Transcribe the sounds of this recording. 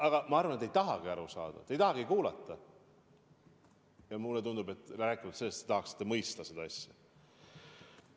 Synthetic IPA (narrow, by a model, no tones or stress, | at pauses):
ɑɡ̥ɑmɑɑrvɑnet̪ːˑejt̪ɑɦɑɡ̥iɑɾusɑ̰ːd̪̥ɑ̰t̪e̞jt̪ɑɦɑɡikuːlɑ̰t̪ˑːɑ | jɑmulːet̪und̪ube̞t̪ːˑræːkːˑivɑlt̪selːest̪ːet̪ɑhɑksi̥t̪ːemɤjst̪ɑse̞d̪ɑɑsʲjɑ